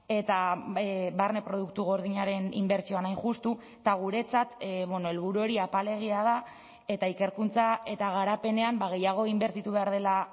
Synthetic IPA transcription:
e̞t̪a | βarne̞pɾo̞ð̞uk̚t̪uɣo̞ɾðiɲaɾe̞nḭmbe̞ɾt͡sio̞anajʝust̪u | t̪aɣ̞uɾe̞t͡sat̪βwenoe̞lβ̞uɾuo̞ɾiapale̞ɣ̞iað̞a | e̞t̪aike̞ɾkunt͡sae̞t̪aɣ̞aɾape̞ne̞ambaɣ̞e̞jaɣ̞o̞imbe̞ɾt̪it̪uβe̞aɾð̞e̞la

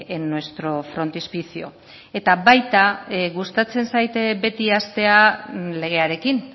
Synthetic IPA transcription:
enːowe̞st̪ɾo̞fɾo̞nt̪ispisio̞̰ | e̞t̪aβajt̪aɣust̪at͡se̞nsajt̪be̞t̪iast̪e̞ale̞ɣ̞e̞aɾe̞kin

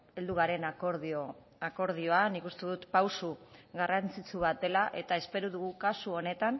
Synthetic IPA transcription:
e̞ld̪uɣ̞aɾe̞nakoɾðo | ako̞ɾð̞io̞anikust̪eðut̪pawsuɣarant͡sit͡suβat̪e̞laʔe̞t̪ae̞spe̞ɾuðuɣukasuo̞ne̞t̪an

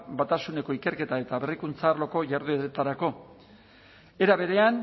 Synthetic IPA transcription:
bat̪asune̞ko̞ike̞ɾke̞t̪ae̞t̪aβe̞rikunt͡saːɾlo̞ko̞ʝaɾðueet̪aɾako̞ | e̞ɾaβ̞e̞ɾe̞an

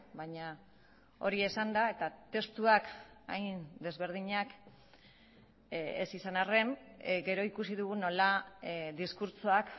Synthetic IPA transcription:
bajɲa | o̞̰ɾie̞sand̪ae̞t̪at̪e̞st̪uaka̰jnd̪e̞zβe̞ɾð̞iɲak | ḛsisanare̞nɡe̞ɾo̞ikusiðuɣ̞uno̞laðiskuɾt͡soak

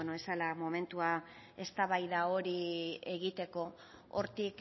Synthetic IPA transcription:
noesalamo̞me̞nt̪ua | e̞st̪aβajðao̞ɾie̞ɣ̞it̪e̞ko̞ | o̰ɾt̪ik

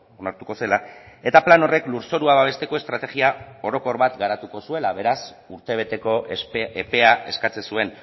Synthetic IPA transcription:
onaɾt̪uko̞se̞lae̞t̪aplano̞re̞kluɾso̞ɾuaβaβ̞e̞st̪e̞ko̞e̞st̪ɾat̪e̞ɣiao̞ɾo̞ko̞ɾβat̪ɡaɾat̪uko̞sue̞laβ̞e̞ɾas | uɾt̪e̞β̞e̞t̪e̞ko̞epe̞ae̞skat͡se̞sue̞n

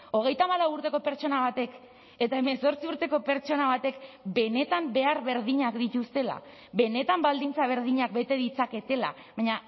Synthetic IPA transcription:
o̞ɣ̞e̞jt̪aːmaɾlawuɾt̪e̞ko̞pe̞ɾt͡ʃo̞naβ̞at̪e̞k | e̞t̪ae̞me̞so̞ɾt͡siuɾt̪e̞ko̞pe̞ɾt͡ʃo̞naβ̞at̪e̞kbe̞ne̞t̪ambe̞aɾβe̞ɾðiɲakd̪it̪ust̪e̞la̰ | βe̞ne̞t̪ambald̪int͡saβ̞e̞ɾðiɲak̚be̞t̪e̞ðit͡sake̞t̪e̞la̰ | βaɲa

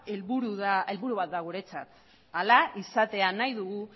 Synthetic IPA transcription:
elβuɾuðae̞lβuɾuβat̪̚d̪aɣ̞uɾe̞t͡sa̰t̪ | alaʔisat̪e̞anajðuɣu

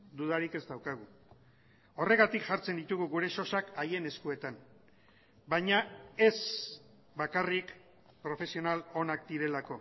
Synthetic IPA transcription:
d̪uðaɾike̞zd̪awkaɣ̞u | o̞re̞ɣ̞at̪ikʝaɾt͡se̞nd̪it̪uɣuɣuɾe̞ʃo̞sakaje̞ne̞skue̞t̪an | bajɲae̞s | bakarik | pɾo̞fe̞sio̞nalo̞nak̚d̪iɾe̞lako̞

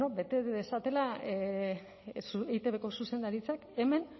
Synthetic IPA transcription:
obet̪eðesat̪e̞la | sejt̪e̞βe̞ko̞suse̞nd̪aɾit͡sake̞me̞n

